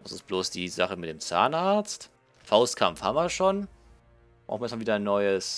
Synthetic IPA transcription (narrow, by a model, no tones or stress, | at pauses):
d̥asɪ̰st̚b̥loːsd̥iːzaχəmɪt̚d̥eːmt͡sa̰ːnaɐt͡st | faʊstkʰamfha̰mviɐʃoːn̥ | ʁaʊxn̩jɛsmaviːdɐnːɔʏəs